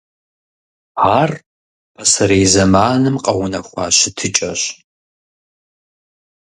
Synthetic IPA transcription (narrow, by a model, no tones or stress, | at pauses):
aːr | pʰɐsɐɾejzɐmaːnɨmqʼɐwʊnɐxʷɑ̰ːɕɪtʰɨt͡ʃʼɐɕ